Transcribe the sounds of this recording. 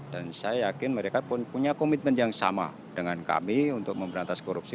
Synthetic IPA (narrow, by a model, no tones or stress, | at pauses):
d̥ansajajakɪnməɾekapʊnpuɲakomit̪̚mənt̪jaŋsa̰ma̰ | dəŋanka̰miunt̪ʊk̚məmbəɾant̪askoɾup̚si